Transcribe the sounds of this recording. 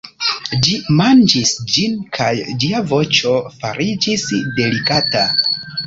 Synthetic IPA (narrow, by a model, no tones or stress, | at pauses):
d͡ʒimand͡ʒisd͡ʒinkʰajd͡ʒiavo̞t͡ʃo̞faɾʔid͡ʒisde̞likata